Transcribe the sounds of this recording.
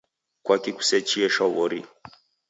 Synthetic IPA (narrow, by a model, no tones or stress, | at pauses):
kwakiku̥sɛt͡ʃiɛʃɔβɔɾḭ